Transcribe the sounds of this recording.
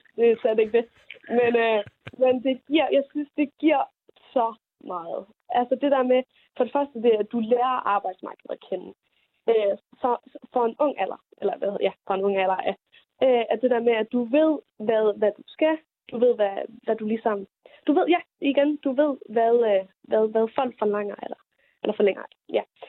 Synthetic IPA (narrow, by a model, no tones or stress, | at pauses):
d̥e̝sæd̥e̝ɡ̥̚d̥e̝ | menømend̥e̝ɡ̥iɐ̰jɑ̈ɪsynsd̥e̝ɡ̥iɐ̰ | sɒ̽ | mɑ̈ːð̩ˠ | ʔælsɒd̥e̝d̥æɐ̰me | fɒ̽ɾe̝fɶɐsd̥əd̥e̝æd̥uleːɐʔɑ̈ːb̥ɑ̈ɪ̰d̥smɑ̈ːɡ̥əð̩ˠækʰenn̩ | ø | sɒfɒ̽e̝nɔ̽ŋ̰ælɐ | ʔelɐʋæ̰jæfɑ̽e̝nɔ̽ŋ̰ælɐæ | øæɐd̥e̝d̥æɐ̰meæd̥uʋe̝ð̰ˠ | ʋæðˠʋæd̥usɡ̥æ | d̥uʋe̝ð̞̰ˠʋæʋæd̥ulisɒ̽m | d̥uʋe̝ð̰ˠjæ | iɡ̥end̥uʋe̝ð̞̰ˠʋæðˠʋæðˠʋæðˠfɒ̽l̰ɡ̥fɒlɑ̈ŋ̰ɐelɐ | ʔelɐfɒleŋ̰ɐ̥ | jæ